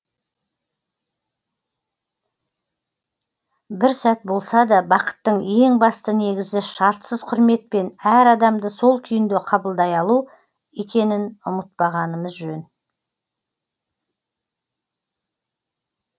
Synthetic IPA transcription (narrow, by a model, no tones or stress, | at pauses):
bɪɾsæt̪̚bo̞lˠsɑd̪ɑbɑqə̥t̪ːəɴe̞ŋbɑst̪əne̞ɡʲɪzɪʃɑɾt̪səzqʰʊɾme̞t̪̚pe̞næɾɑd̪ɑmd̪əso̞lˠkʲʰʏjɪnd̪e̞qʰɑbəlˠd̪ɑjɑlˠu | e̞kʲe̞nɪnʊ̰mət̪̚pɑʁɑnəməzʒɵn